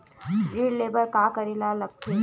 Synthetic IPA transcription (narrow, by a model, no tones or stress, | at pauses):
ɾiːɽleːbɐɾkaːkɐɾilalɐkʰe